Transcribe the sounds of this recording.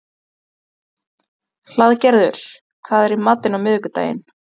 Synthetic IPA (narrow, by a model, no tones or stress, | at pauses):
l̥aðcɛɾðʏ̰ɾ̥ | kʰvaːðɛɾimat̪ːɪnawmɪðʏkʏt̪a̰ːjɪ̰n